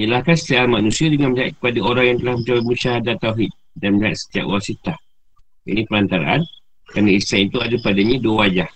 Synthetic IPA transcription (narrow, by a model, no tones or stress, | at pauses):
əlahkansə̥t̪iaʔanmanũsiadəŋanməɲia̰t̪̚kə̥padaoɾaŋjaŋt̪əlahmət͡ʃawamuʃaɦadat̪ːawɦid̪̚ | danməɲaat̪̚sə̥t̪ia̰ʔwasit̪ah | ḭnĩpəlant̪aɾa̰ʔa̰n | kɾanaisanit̪uadapadaɲãduawad͡ʒah